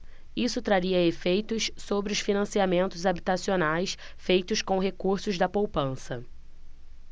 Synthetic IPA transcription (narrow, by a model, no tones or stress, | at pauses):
isʊt̪ɾaɾiɐefejt̪ʊssobɾɪʊʃfinɐ̃siamẽnt̪ʊzabit̪asionajs | fejt̪ʊskõw̃ɦekuɾsʊʒd̪ɐpowpɐ̃sɐ